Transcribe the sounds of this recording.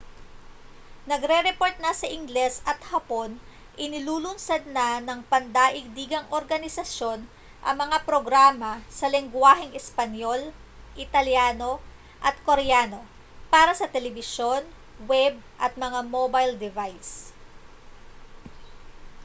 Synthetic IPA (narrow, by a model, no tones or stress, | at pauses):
nɐɡɾɛɾɛpo̞ɹt̪̚nɐsɐʔɪŋɡlɛsɐt̪hɐpo̞n | ʔɪnɪluːlʊnsɐd̪̚nɐnɐŋpɐnd̪aːʔɪɡ̚d̪iːɡɐŋʔoɾɡɐnɪsɐsjo̞n | ʔɐ̰ŋmɐŋapɾoɡɾaːmɐsɐlɪŋɡwaːɦɪŋʔɛspɐɲo̞l | ʔɪt̪ɐljaːno̞ | ʔɐt̪̚koɾɛjaːno̞ | paːɾɐsɐt̪ɛlɛbɪso̞n | wɛb̚ʔɐt̪̚mɐŋamobajld̪ɛvajs